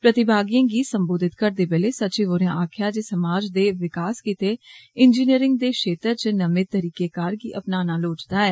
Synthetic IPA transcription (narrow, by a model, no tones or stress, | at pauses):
pɾət̪ɪbaːɡijãːɡiːsəmboːd̪ɪt̪kəɾd̪eːbeːleːsət͡ʃeːʋoːɾjãːʔaːkʰjaːd͡ʒeːsəmaːd͡ʒd̪eːʋɪkaːskiːt̪eːɪnd͡ʒiːniəɾɪ̃ŋɡd̪eːʃeːt̪əɾt͡ʃnəmẽːt̪əɾiːkeːkaːɾɡḭːʔəpnaːnaːloːt͡ʃd̪aːɛː